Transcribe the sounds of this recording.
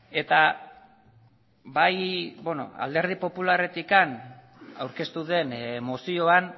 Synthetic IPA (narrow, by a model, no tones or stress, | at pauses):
e̞t̪a | bajbono̰a̰ld̪e̞ɾð̞ipo̞pulare̞t̪ikan | awɾke̞st̪uðe̞nmosio̞an